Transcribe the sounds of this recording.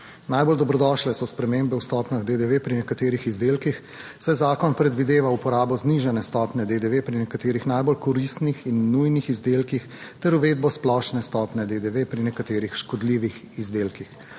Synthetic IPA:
najbold̪ɔbɾɔd̪ɔʃlɛsɔspɾɛmembɛwst̪ɔpnaɣd̪ed̪eʋepɾinɛkat̪eːɾixizd̪eːlkix | sɛjzaːkɔnpɾɛd̪ʋid̪eːʋaupɔɾaːbɔzniʒɛnɛst̪ɔːpnɛd̪ed̪eʋepɾinɛkat̪eːɾixnajbolkɔɾist̪nixinːujnixizd̪eːlkix | t̪ɛɾuʋeːd̪̚bɔsplɔʃnɛst̪ɔːpnɛd̪ed̪eʋepɾinɛkat̪eːɾixʃkɔd̪liːʋix | izd̪eːlkix

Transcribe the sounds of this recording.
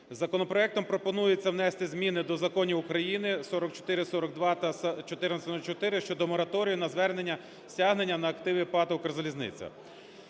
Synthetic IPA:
zɐkɔnɔpɾɔɛk̚t̪ɔmpɾɔpɔnujet͡sʲːɐwnɛst̪ɪzʲmʲinɪd̪ɔzɐkɔnʲiʊkɾɐjinɪsɔɾɔkt͡ʃɔ̥t̪ɪɾɪsɔɾɔkd̪ʋɑt̪ɐt͡ʃɔt̪ɪɾnɐsɔɾɔkt͡ʃɔt̪ɪɾɪʃt͡ʃɔd̪ɔmɔɾɐt̪ɔɾʲijʊnɐzʋɛrne̞nʲːɐ | sʲaɦne̞nʲːɐnɐːkt̪ɪʋʲipɑt̪ɐkɐrzɐlʲiznɪ̰t͡sʲɐ̰

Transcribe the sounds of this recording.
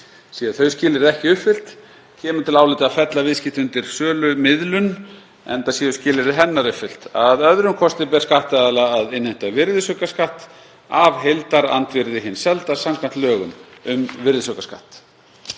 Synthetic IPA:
siːaθœɥscɪːlɪɾðɛhcɪʏfɪl̥t̪ | cʰɛːmʏt̪ʰɪlaːwlɪːt̪ɪaðfɛt̪lavɪðscɪht̪ʏnt̪ɪɾ̥sœːlʏmɪðlʏn | ɛ̰nt̪asjɛːʏscɪːlɪɾðɪɦɛnːaɾʏfɪl̥t̪aðœðɾʏmkʰɔst̪ɪpɛɾ̥skaht̪aðalaaðɪnheht̪avɪɾðɪsœkaskaht̪ | avɦelt̪aɾa̰nt̪vɪɾðɪɦɪnːsɛlt̪aɾ̥samkʰvan̥t̪lœːɣʏmʏmvɪɾðɪsœkḁska̰ht̪

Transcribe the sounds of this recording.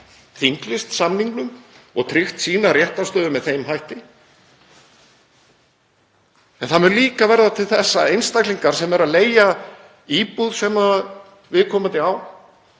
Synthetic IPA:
θiŋklɪst̪samniŋklʏmɔ̰ɣt̪ʰɾɪxt̪siːnarjɛht̪ast̪œːðʏmɛðθejmɦajht̪ɪ | ɛnθamɛɾliːkavɛɾðat̪ʰɪlθɛsːaejnst̪ajkliŋkaɾ̥sɛmɛɾaðleːja | iːpuðsɛmað | vɪðkʰɔːmat̪ɪaw

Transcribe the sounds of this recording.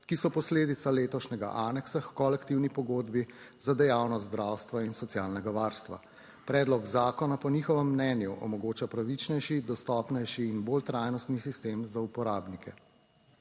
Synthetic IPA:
kisɔpɔsleːd̪it̪saleːt̪ɔʃnɛɡa̰ʔaːnɛksaxkɔlɛkt̪iwnipɔɡoːd̪bizad̪ɛjawnɔt̪d̪ɾaːwst̪ʋainsɔt̪sjaːlnɛɡaʋaːɾst̪ʋa̰ | pɾɛːd̪lɔɡzaːkɔnapɔnixɔʋɛmːnɛːnjuʔɔ̰mɔɡoːt͡ʃapɾaʋit͡ʃnɛjʃid̪ɔst̪ɔːpnɛjʃiːnboːlt̪ɾaːjnɔst̪nisist̪eːmzaupɔɾaːbnikɛ

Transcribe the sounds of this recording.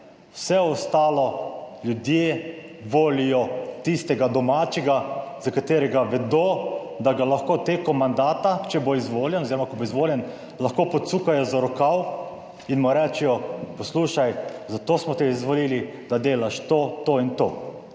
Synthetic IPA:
wsɛɔst̪aːlɔljud̪je | ʋoːlijɔt̪ist̪ɛɡad̪ɔmaːt͡ʃɛɡazakat̪eːɾɛɡaʋɛd̪oː | d̪aɡalaxkot̪eːkɔmand̪aːt̪at͡ʃɛboizʋoːljɛnɔziːɾɔmakɔboːizʋoːljɛn | laxkoːpɔt̪suːkajɔzaɾɔkaw | inmɔɾɛːt͡ʃɛjɔpɔsluːʃajzat̪oːsmɔt̪ɛizʋɔliːlid̪̥ad̪eːlaʃt̪oːt̪oːint̪o̰ː

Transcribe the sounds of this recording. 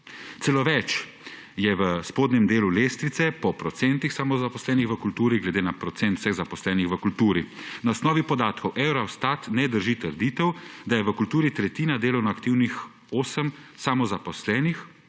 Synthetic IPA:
t̪sɛloʋɛt͡ʃ | jɛʋəspoːd̪nɛmd̪eːluleːst̪ɾit̪sɛpɔpɾɔt̪sɛnt̪ixsamɔzapɔslɛːnixʋəkult̪uːɾiɡlɛd̪eːnapɾɔt̪sɛnt̪w̥sɛɣzapɔslɛːnixʋəkult̪uːɾinaɔsnɔːʋipɔd̪aːt̪kɔwʔɛwɾawst̪at̪nɛd̪əɾʒit̪əɾd̪iːt̪ɛwd̪ajɛʋəkult̪uːɾit̪ɾɛt̪iːnad̪eːlɐwnɔakt̪iːwnix | oːsəmsamɔzapɔslɛːnix

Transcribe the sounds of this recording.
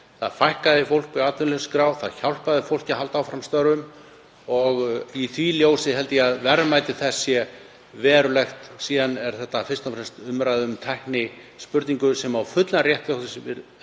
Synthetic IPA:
θa̰ðfajhkaðɪfowl̥kvɪat̪vʏnlɛskɾaːwθaðçawlpaðɪfowl̥cɪɦalt̪awfɾamst̪œɾʏm | ɔɣiθʰviljoːwsɪɦɛlt̪ɪjɛaðvɛɾmajt̪ɪθɛsːjɛ | vɛːɾʏlɛxt̪siːðanɛɾ̥θɛht̪ːafɪrst̪afɾɛst̪ʏmɾajðɪʏmt̪ʰɛhknɪ | spʏɾt̪niŋkʏsɛmawfʏt̪laɾjɛht̪laht̪ɪsvɪð

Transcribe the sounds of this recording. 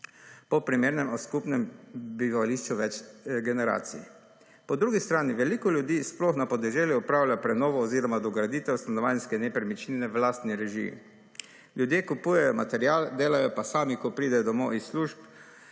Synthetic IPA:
pɔpɾimeːɾnɛmɔskupnɛmbiʋaliʃt͡ʃuʋɛt͡ʃɡɛnɛɾa̰ːt̪sḭj | pɔd̪ɾuːɡist̪ɾaːniʋɛliːkɔljud̪iːsplɔxnapɔd̪ɛʒɛːljuɔpɾaːwlʲjapɾɛnɔːʋɔːziːɾɔmad̪ɔɡɾad̪iːt̪ɛwst̪anɔʋaːnskɛnɛpɾɛmit͡ʃninɛʋlaːst̪niɾɛʒḭ | ljud̪jeːkupuːjɛjɔmat̪ɛɾjaːld̪eːlajɔpasaːmikɔpɾiːd̪ɛjd̪ɔmɔ̰isːluʒp

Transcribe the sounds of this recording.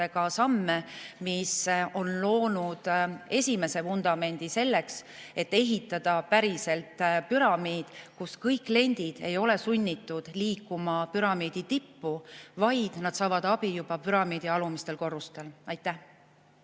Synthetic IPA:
eɡɑsɑmːemiso̞nlo̞ːnud̪̥e̞sʲime̞se̞fund̪̥ɑme̞nʲd̪̥ise̞lːe̞kse̞t̪ːe̞ɦit̪ːˑɑd̪̥ɑpæɾise̞lt̪ˑpyɾɑmiːd̪̥kuskɤjkːˑle̞nʲd̪̥id̪̥e̞jo̞le̞sunʲːit̪ːud̪̥liːkːumɑpyɾɑmiːd̪̥it̪ipːuvɑjd̪̥nɑd̪̥sɑːvɑd̪̥ɑb̥ijub̥ɑpyɾɑmiːd̪̥iɑlumist̪e̞lko̞rːust̪e̞lɑjt̪ːˑæh

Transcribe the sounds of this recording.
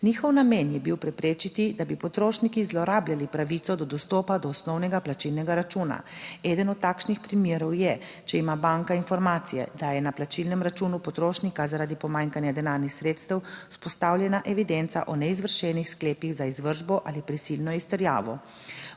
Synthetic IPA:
niːxɔwnamenjɛbiwpɾɛpɾeːt͡ʃit̪id̪abipɔt̪ɾoːʃnikizlɔɾaːbljalipɾaʋit̪sɔd̪ɔd̪ɔst̪ɔːpad̪ɔːsnɔwnɛɡaplat͡ʃilnɛɡaɾat͡ʃuna̰ɛːd̪ənɔt̪ːaːkʃnixpɾimeːɾɔwjɛ | t͡ʃɛimabaŋkainfɔɾmaːt̪sijɛ̰d̪ajɛnaplat͡ʃilnɛmɾat͡ʃuːnupɔt̪ɾoːʃnikazaɾaːd̪ipɔmaːŋkanjad̪ɛnaːɾnixsɾeːt̪st̪ɛwspɔst̪aːwlʲjɛnaʔɛʋid̪ɛnt̪sa̰ʔɔnɛizʋəɾʃɛnixskleːpiɣzaizʋəɾʒbɔʔalipɾisilnɔist̪ɛɾja̰ːʋɔ̰

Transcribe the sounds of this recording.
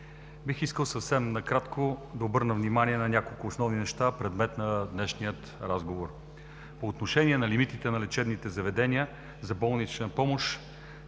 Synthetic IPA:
bixiskəlˠsəfsɛmnɐkɾat̪kod̪ɐobɤɾnəvnimaniɛnɐnʲakolˠkʊːsnɔvninɛʃt̪apɾɛd̪mɛt̪nɐd̪nɛʃnijət̪ɾazɡovoɾ | poːt̪noʃɛnʲiɛnɐlimit̪it̪ɛnɐlɛt͡ʃɛb̪nit̪ɛzɐvɛd̪ɛnʲiə | zɐbɔlˠnit͡ʃnɐpɔmoʃ

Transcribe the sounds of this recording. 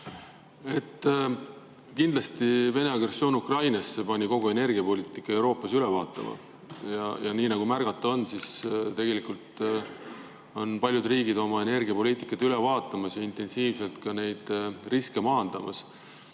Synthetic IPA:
e̞t̪ːˑ | kind̪lɑst̪ive̞ne̞ɑɡ̥re̞sːjo̞ːnukrɑjnɑsːe̞pɑnʲiko̞ɡ̥ue̞ne̞rɡ̥iɑpo̞lʲiːt̪ˑikːˑɑe̞wɾo̞ːpˑːɑsylevɑːt̪ˑːɑ̰mɑ̰ | jɑjɑniːnɑɡ̥umærɡ̥ɑt̪ːˑuo̞nsist̪e̞ɡ̥e̞likult̪ | o̞npɑlʲjud̪riːɡ̥id̪o̞mɑe̞ne̞rɡ̥iɑpo̞liːt̪ːˑi̥kːˑɑt̪yle̞vɑːt̪ːˑɑmɑsjɑint̪ˑe̞nsiːvselt̪kɑne̞jd̪̥riske̞mɑːnd̪̥ɑmɑ̰s

